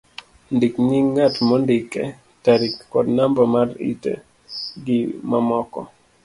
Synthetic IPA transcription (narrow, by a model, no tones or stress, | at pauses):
ndikɲiŋːatmɔndikɛ̰ | taɾikːɔdnambamarḭtḛ | ɡɪmamɔkɔ̰